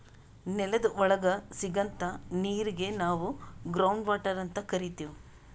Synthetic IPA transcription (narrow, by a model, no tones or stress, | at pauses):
nɛlɐd̪ɐʔɔɭɐɡɐsiɡɐnt̪ɐniːɾiɡe̞naːʋuɡɾɐwɳɖʋaːʈɐɾɐnt̪ɐkɐɾit̪iːʋu